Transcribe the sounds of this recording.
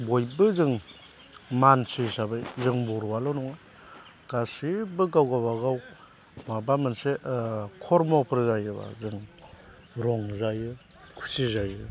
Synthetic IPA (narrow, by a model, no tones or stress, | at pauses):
bojbɯzɯŋ | mansisabɯjzɯŋbɔɾwalɔnɔŋa | ɡ̥asibɯɡawɡabaɡaw | mabamɯnsekʰɔɾmɔpʰɯɾzajɯba̰zɯŋ | ɾɔŋzajɯ | kʰu̥sizajɯ